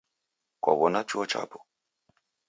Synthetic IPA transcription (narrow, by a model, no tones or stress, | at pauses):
kɔ̰βɔnat͡ʃuɔt͡ʃa̰pɔ̥